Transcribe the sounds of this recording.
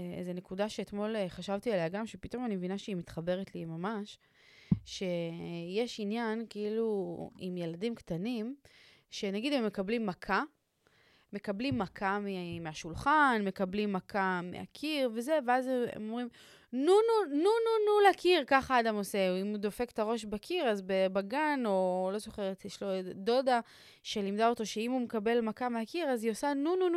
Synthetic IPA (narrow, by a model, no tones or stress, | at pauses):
ḛze̞ne̞kudaʃeːt̪mo̞lχaʃavt̪ialejaɡamʃe̞pito̞manimevinaʃeimit̪χabe̞ʁet̪limamaʃ | ʃe̞je̞ʃinjankeiluḭmje̞ladimktanim | ʃe̞naɡidemːekablimːakʰa | me̞kablimːakʰamimeaʃulχanme̞kablimːakʰamḛha̰kʰiʁve̞ze̞veazḛmomʁim | nununununulakiʁkaχaːdamo̞se̞imud̪o̞fe̞ktaʁo̞ʃbekʰiʁazbebaɡano̞lo̞zo̞χeʁet̪jeʃlo̞do̞da | ʃe̞limdao̞t̪o̞ʃe̞imumekabe̞lmakameakiʁaziosanununu